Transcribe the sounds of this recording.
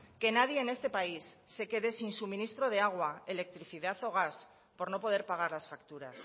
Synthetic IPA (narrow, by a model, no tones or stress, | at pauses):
ke̞nað̞jeːne̞st̪e̞paisːe̞ke̞ðe̞sinsumĩnist̪ɾo̞ð̞eaɣ̞waele̞k̚t̪ɾiθiðaθo̞ɣ̞as | po̞ɾno̞po̞ð̞e̞ɾpaɣ̞aɾlasfakt̪uɾa̰s